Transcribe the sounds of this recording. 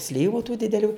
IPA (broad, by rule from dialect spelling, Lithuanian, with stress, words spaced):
ˈsʲlʲiːʋʊ tuː dʲɪdʲɛˈlʲuː